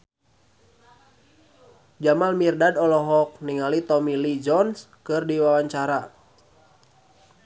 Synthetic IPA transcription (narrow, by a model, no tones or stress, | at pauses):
d͡ʒamalmirdadɔlɔɦɔk̚niŋalit̪ɔmilid͡ʒɔns | kɨrdiwawaɲt͡ʃaɾa